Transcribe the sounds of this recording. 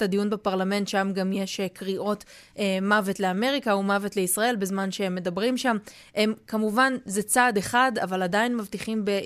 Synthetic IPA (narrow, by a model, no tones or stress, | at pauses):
tadijunbepaʁlamẽ̞ntʃamɡamje̞ʃekʁiʔo̞tː | mavetle̞ame̞ʁikaumavetle̞isʁae̞lbezmanʃeemːe̞dabʁimʃam | emkamuvanzet͡sade̞χada̰valadainmavtiχimbe